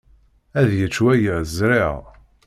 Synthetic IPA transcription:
æðjət͡st͡ʃːwæjəzɾɪʁ

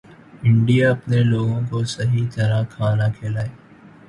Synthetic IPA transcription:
ɪ̃ɳɖijaɐpneloːɡõkosɐɦit̪ɐɾakʰaːnakʰeːlaːeː

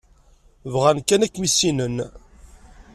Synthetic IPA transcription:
vʁænkːænækːmisinən

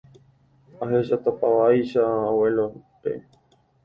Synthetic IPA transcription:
aɦeʃat̪opawajʃaowelopḛ

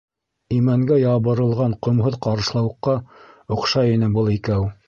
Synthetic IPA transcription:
imæŋɡæjɑβɤ̆ɾɤ̆lˠʁɑɴqŏmɦɤðqɑɾɤ̆ʃlˠɑwɤ̆qːɑŏqʃɑinɘbɤlˠikæw

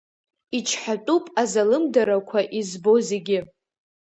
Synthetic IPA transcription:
it͡ʃʰħatʼupʼazalɨmdaɾakʷʰaʔizbo̞ze̞ɡʲɪ

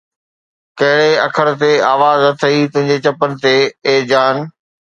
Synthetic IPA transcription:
kɐɦɪɽeɐkʰəɽ̃t̪eaːʋaːzɐt̪ʰɐit̪ʊ̃ɦɪ̃ɲd͡ʑet͡ɕɐpənɪ̆t̪eːd͡ʑaːn

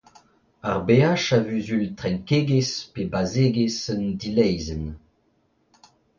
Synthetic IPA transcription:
a̰ʁbeaʃavyzylt̪ʁɛ̃ŋkeɡespebazeɡesəndilɛjzən

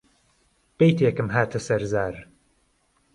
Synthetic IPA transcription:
b̥ejt̪ʰeːkɨmɦaːt̪ʰɨsɐɾzaːɾ

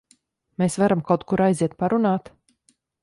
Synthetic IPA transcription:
meːsvaɾamkawt̪kuɾajziɛt̪̚paɾunaːt̪

